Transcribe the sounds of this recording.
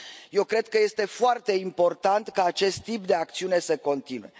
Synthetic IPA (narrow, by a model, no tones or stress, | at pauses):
je̞wkɾe̞d̪̚kəje̞st̪e̞foart̪e̞impo̞rt̪ant̪kaːt͡ʃe̞st̪ːip̚d̪e̞akt̪siune̞səko̞nt̪inue̞̰